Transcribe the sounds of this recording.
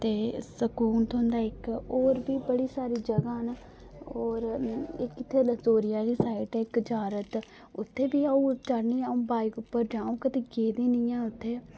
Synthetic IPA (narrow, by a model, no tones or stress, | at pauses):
t̪eːsəkuːnt̪ʰoːnd̪aːɪkoːɾbiːbəɽiːsaːɾiːd͡ʒəɡaːɦən | oːɾɪkːɪt̪ʰːeːləsoːɾɪjãːliːsaːɪʈɛɪkd͡ʒaːɾət̪ | ʊt̪ʰːeːbiːaũːt͡ʃəɽniːãːũːbaːɪkʊpːəɾd͡ʒãːũːkət̪eːɡeːd̪iːnɪːjãːʊt̪ʰːeː